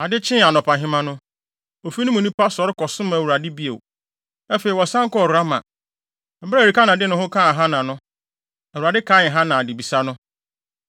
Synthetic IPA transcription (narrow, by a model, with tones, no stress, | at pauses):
a˨dɪ˦t͡ɕʰɪ̃˦˨a˨nɔ̃˨pʰã˨ɦɪ̃˦mã˦nʊ̃˦ | o˨fi˦nʊ̃˦mũ˨nĩ˦pa˦sɔ˦ɾɪ˦kɔ˨sʊ̃˦m˦˨wu˨ɾa˨dɪ˦bi˦ḛ˨ | ɛ˦fe˨i˨wɔ˨sã˦ŋ˦kɔ˦˨a˦mã̰˨ | m̩˨ba˦˨ɾi˨ka˦nã˨dɪ˦nʊ̃˦hʊ̃˦kʰã˦˨ɦã˦nã˨nʊ̃˦˨ | wu˨ɾa˨dɪ˦kʰaː˦ɪ̃˨ɦã˦nã˨dɪ˨bi˨sa˦nʊ̃˦